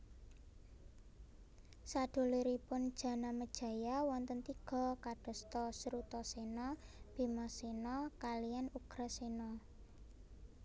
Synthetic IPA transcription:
saɖ̥o̤liɾipʊnd̥ʒ̥ä̤naməd̥ʒ̥ä̤jawɔnt̪ənt̪iɡ̥ɔ̤kaɖ̥ɔ̤st̪ɔsɾut̪ɔsenɔb̥i̤mɔsenɔkalijanuɡ̥ɾasenɔ

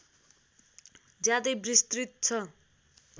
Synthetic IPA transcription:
d͡zjad̪ʌjbrist̪rit̪̚t͡sʰʌ

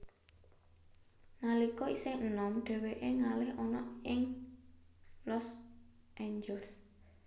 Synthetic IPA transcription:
nalikɔisɪənɔmɖ̪̥ɛ̤weʔeŋalɪɦɔnɔɪŋ | lɔs | ʔeɲd͡ʒɛls

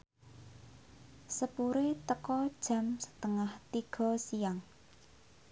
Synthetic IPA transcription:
səpuɾet̪əkɔd̥ʒ̥ä̤msə̥t̪əŋaht̪iɡ̥ɔ̤sijaŋ

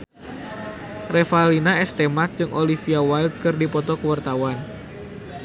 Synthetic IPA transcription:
refalinaɛst̪emat̪̚d͡ʒɨŋʔolifiawaild̪̚kɨrdipɔt̪ɔkəwart̪awan

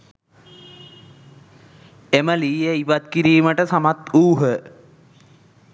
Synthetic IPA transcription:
eməliːjəiʋat̪̚kiɾiːməʈəsamat̪uːɦə

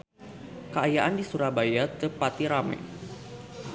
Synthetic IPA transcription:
kəajaʔandisuɾabajakəpat̪iɾamɛ̰

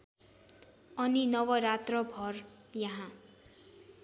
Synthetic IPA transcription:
ʌninʌwʌɾat̪rʌbʱʌr | jaɦã

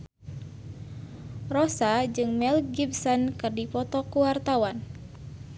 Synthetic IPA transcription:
rɔsad͡ʒɨŋmɛlɡibsɔnkɨrdipɔt̪ɔkuwart̪awan

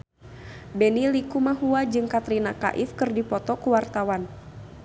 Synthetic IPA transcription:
bɛnilikumaɦuad͡ʒɨŋkat̪ɾinaka̰ʔifkɨrdipɔt̪ɔkuwart̪awan

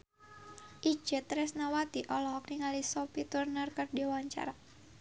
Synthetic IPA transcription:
ʔi̥d͡ʒ̥ət̪ɾɛsnawat̪iʔɔlɔɦɔk̚niŋalisɔpit̪urnərkərdiwaɲt͡ʃa̰ɾa

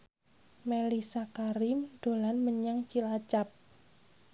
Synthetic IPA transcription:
melisakaɾimd̪̥o̤lanməɲaŋt͡ʃilat͡ʃap̚

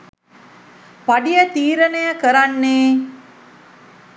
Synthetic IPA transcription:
paɖijət̪iːɾənejəkəɾanːeː

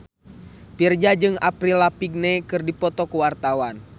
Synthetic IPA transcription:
pird͡ʒad͡ʒɨŋapɾilapiɡ̚nɛkɨrdipɔt̪ɔkuwart̪awan

